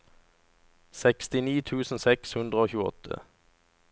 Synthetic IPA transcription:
sɛkst̪ɪniːt̪ʰʉːsn̩sɛkshʉnd̪ʁəoːçʉːəɔ̰t̪ʰə̰

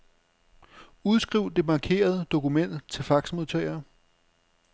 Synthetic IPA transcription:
uð̞ˠsɡ̥ʁiʊ̰d̥e̝mɑ̈kʰe̝̰ːɐð̞̩ˠəd̥o̝kumen̰d̥t͡sʰe̝lfɑ̈ɡ̥smo̝ðˠt͡sʰœɪ̰ɐ

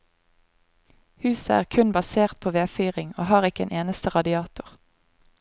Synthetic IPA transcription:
hʉːsəæ̰ːʁkʰʉnbɑseːʁt̪̚pʰoːʋeːfyːʁɪŋo̰ːhɑːʁɪkəḛːnʔeːnəst̪əʁɑd̪ɪɑːt̪ʊʁ

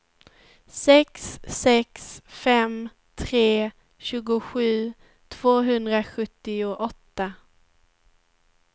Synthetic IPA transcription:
sɛksːɛksfɛm | t̪ʰɾeː | ɕʉ̟ːɡʊɧʉ̟ː | t̪ʰv̥oːɦɵnd̪ɾaɧɵt̪ːɪʊʔɔt̪ːa

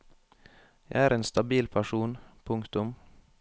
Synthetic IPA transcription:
jæ̰ɪæːɾʔeːnst̪ɑbiːlpʰæʂuːnpʰʊŋkt̪ʊm

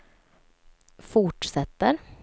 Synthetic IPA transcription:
fʊʈʂɛt̪ːəɾ

